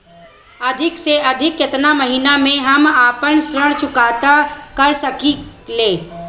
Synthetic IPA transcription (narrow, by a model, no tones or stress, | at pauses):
ɐd̪ʱɪkseɐd̪ʱɪkjɪt̪namɐɦinamẽɦɐmaːpənsɾəɽt͡ʃʊkaːt̪akəɾsəkileː